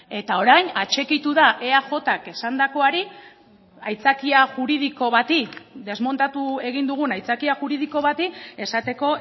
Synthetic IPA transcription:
e̞t̪ao̞ɾajnat͡ʃe̞kit̪uðaʔe̞aʝo̞t̪ake̞sand̪ako̞aɾi | ajt͡sakiaʝuɾið̞iko̞βat̪ikd̪e̞zmo̞nt̪at̪ue̞ɣ̞ind̪uɣ̞unajt͡sakiaxuɾið̞iko̞β̞at̪ie̞sat̪e̞ko̞

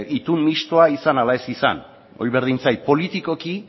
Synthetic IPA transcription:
it̪unmːist̪oaisanalaesisa̰n | o̞̰jβe̞ɾð̞int͡sajpo̞lit̪iko̞ki

